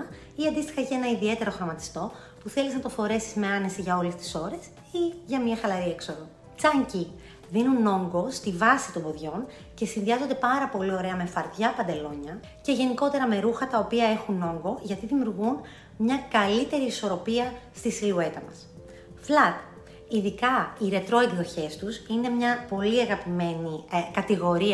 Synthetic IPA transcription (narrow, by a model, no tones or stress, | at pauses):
ɐ | iɐnd̪ist̪ixɐce̞nɐiðie̞t̪e̞ɾo̞xɾo̞mɐt̪i̥st̪o̞ | puθe̞liznɐt̪o̞fo̞ɾe̞sizme̞ɐne̞siʝɐo̞le̞st̪i̥so̞ɾe̞s | iʝɐmɲɐxɐlɐɾie̞kso̞ðo | t͡sɐɲci | ðinuno̞ŋɡo̞st̪ivɐsit̪o̞mbo̞ðʝo̞n | ce̞sinðiɐzo̞nd̪e̞pɐɾɐpo̞lio̞ɾe̞ɐme̞fɐɾt̪jʝɐpɐnd̪e̞lo̞ɲɐ | ce̞ʝe̞niko̞t̪e̞ɾɐme̞ɾuxɐt̪ɐo̞piɐe̞xuno̞ŋɡo̞ʝɐt̪iðimjuɾɣun | mɲɐkɐlit̪e̞ɾiːso̞ɾo̞piɐst̪isilue̞t̪ɐmɐ̰s | flɐt̪ | iðikɐiɾe̞t̪ɾo̞it̪ðo̞çe̞st̪usine̞mɲɐpo̞liɐɣɐpime̞nikɐt̪iɣo̞ɾiɐ